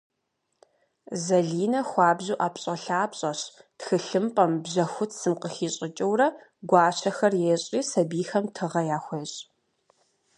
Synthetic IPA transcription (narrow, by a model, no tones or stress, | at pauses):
zɐɮiːnɐxʷɑːbʑuːʔaːpɕʼɐɬaːpɕʼɐɕtxɨɬɨmpʼɐmbʑɐxʷʊtʰsɨmqəxiːɕʼɪt͡ʃʼɐwɾɐ | ɡʷɑːɕʰɐxɐrjɛɕʼiːsɐbiːxɐmtʰɨʁɐjaːxʷeɕʼ